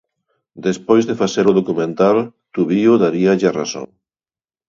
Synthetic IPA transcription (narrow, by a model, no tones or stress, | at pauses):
d̪espojzðefaθeɾʊðokumẽnt̪alt̪uβiʊðaɾiɐʎara̰so̰ŋ